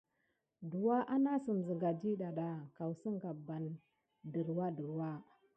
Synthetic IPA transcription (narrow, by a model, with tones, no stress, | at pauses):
du˨wa˦ʔa˦na˦sə˨m˨zə˨ɡa˨d͡ʒi˦ɗa˨ɗa˨ka˨wsə˦ŋɡa˨ba˨n | də˨ɾwa˦də˨ɾwa˦